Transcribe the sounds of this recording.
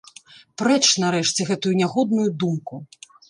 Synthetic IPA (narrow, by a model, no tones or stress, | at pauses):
pɾɛt͡ʂnaɾɛʂt͡sʲɛɣɛt̪ujunʲaɣɔd̪̚nujud̪umku